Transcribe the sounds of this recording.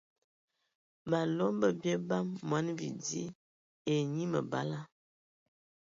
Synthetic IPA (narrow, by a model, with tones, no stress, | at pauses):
ma˨lɔ˦mbə˦bjɛ˦ba˦mːwa˨˦nvḭ˨di˦ | e˨ɲi˦mə̰˨ba̰˦la˦